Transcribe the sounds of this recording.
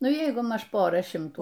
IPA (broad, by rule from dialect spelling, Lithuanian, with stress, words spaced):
ˈnʊ ˈjɛɪɡʊ ˈmɐʃ ˈpoːrɐ ˈʃʲɪmtuː